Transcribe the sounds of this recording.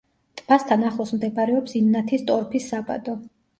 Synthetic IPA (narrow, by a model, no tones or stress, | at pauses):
t̪ʼb̥ast̪ʰanaχlˠɔsmd̪ɛbaɾɛɔpsimnat̪ʰist̪ʼɔɾpʰisːaba̰d̪ɔ